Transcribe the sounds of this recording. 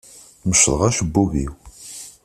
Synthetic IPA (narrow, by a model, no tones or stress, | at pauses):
məʃðˤə̰ʁæʃəbːuvḭw